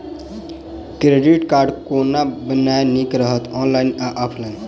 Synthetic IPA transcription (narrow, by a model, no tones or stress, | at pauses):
kɾeɖiʈkaɾɖkonabənajnikɾəɦət̪ɔnlajnaʔɔpʰlajn